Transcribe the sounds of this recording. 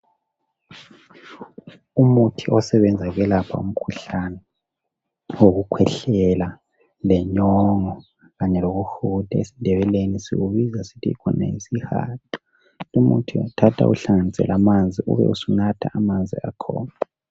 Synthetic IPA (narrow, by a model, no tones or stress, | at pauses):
umutʰiʔɔsɛβɛnd͡zʱaɣɛlapʰa̰um̩kʰuɬanɛ | woɣukʰwɛɬɛla | lɛɲɔŋɔ | ɣaɲɛloɣuxud̥ʱaesindʱɛβɛlenisḭɣuβizasitʰikʰɔnḛisiha̰ːtʰʼɔ̥ | umṵtʰiutʰatʰa̰ʔuɬaŋanisɛ̰lʔamand͡zʱiʔṵβɛ̰usunatʰa̰ːmand͡zʱḭa̰kʰɔ̰ːna